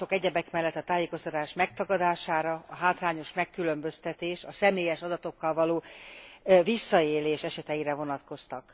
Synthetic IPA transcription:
o̞kɛɟɛbɛkmɛlːɛt̪ːɒt̪aːjeːko̞st̪ɒt̪aːʃmɛk̚t̪ɒɡɒd̪aːʃaːɾɒɒɦaːt̪laːɲo̞ʃmɛkːylø̞mbø̞st̪ɛt̪eːʃɒsɛmeːjɛʃɒd̪ɒt̪o̞kːɒlvɒloː | visːɒeːleːʃɛʃɛt̪ɛjiɾɛvo̞nɒt̪ko̞st̪ɒk

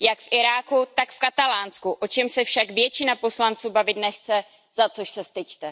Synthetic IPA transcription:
jakfʔɪɾaːkut̪akfkat̪alaːnskuʔo̞t͡ʃɛmsɛfʃakvjɛt͡ʃɪnapo̞slant͡suːbavɪt̪nɛxt͡sɛ | zat͡so̞ʃsɛst̪ɪct̪ɛ

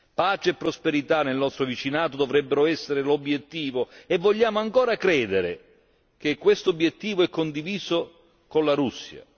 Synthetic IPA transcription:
paːt͡ʃeepːɾospeɾit̪anelnɔst̪ɾovit͡ʃinaːt̪od̪ovɾɛbːeɾoɛsːeɾelobjet̪ːiːvoevːoʎːaːmoaŋkoːɾakɾɛːd̪eɾḛ | k̟ekːwest̪oobjet̪ːiːvoɛkːond̪iviːzo | konlaɾusːja̰

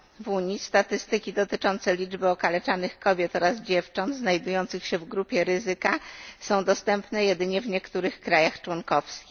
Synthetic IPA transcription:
vuɲist̪at̪ɘst̪ɘkʲid̪ɔt̪ɘt͡ʂɔnt̪sɛlʲid͡ʐbɘɔkalɛt͡ʂanɘxkɔbʲjɛt̪ɔɾazd͡ʑɛft͡ʂɔnd̪znajd̪ujɔnt̪sɘxɕɛvɡɾupʲjɛɾɘzɘkasɔ̃w̃d̪ɔst̪ɛmpnɛjɛd̪ɘɲɛvɲɛkt̪uɾɘxkɾajaxt͡ʂwɔnkɔfskʲi

